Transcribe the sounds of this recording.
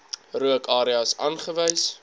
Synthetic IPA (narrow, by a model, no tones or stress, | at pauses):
ruəkɑːɾiɐsɑːnχəvəjs